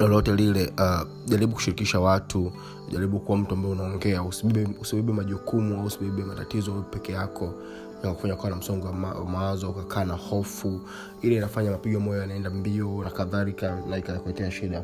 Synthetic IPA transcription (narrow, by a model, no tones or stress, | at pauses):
nalɔtɛlilɛʔa | ʄaɾiɓuku̥ʃiɾikiʃawatʰu | ʄaɾiɓukuwam̩tuambaɛunaɔŋɡɛausiɓiiusiɓiɓimaʄukumuausiɓiɓumata̰tizɔpɛkɛjakʰɔ | jakaku̥faɲakuanam̩sɔŋɡɔaawa̰mawazɔukakʰaːnahɔfu | ilainafaɲamapiɠwamɔjɔjanaɛndambiɔnakaðalikanaikaakuɛtɛaʃiɗa